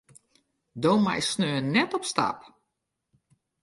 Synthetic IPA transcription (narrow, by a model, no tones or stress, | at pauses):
doːma̰jsnøːənɛtɔpsta̰p